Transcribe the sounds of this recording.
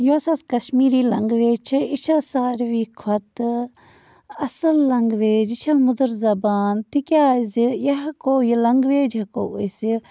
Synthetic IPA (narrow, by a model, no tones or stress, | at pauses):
joːsɐskɐʃmiːɾiːlɐŋɡʋeːd͡ʒt͡ʃʰiiʃasaːɾʋiːkʰwɐt̪ɨ | ɐsɐlːɐŋɡʋeːd͡ʒiʃʰaːmʊd̪əɾzɐbaːnt̪ikʲaːzijɐɦɐkoːjilɐŋɡʋeːd͡ʒɦɐko̰isi